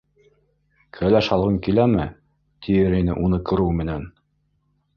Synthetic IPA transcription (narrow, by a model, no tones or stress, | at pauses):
kʰælæʃɑlˠʁɤŋkilæmɘ | t̪ʰijɘɾinɘ̰ʔunɤqʰɤ̆ɾuwmɘ̆næn